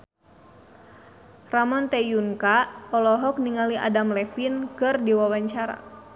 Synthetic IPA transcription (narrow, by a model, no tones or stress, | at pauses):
ramɔnt̪ɛjuŋkaɔlɔɦɔk̚niŋaliʔa̰damlɛfinkɨrdiwawaɲt͡ʃaɾa̰